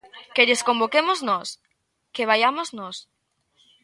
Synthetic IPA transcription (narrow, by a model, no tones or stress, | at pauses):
keʎeskombokemoznɔs | keβ̞ajamoznɔs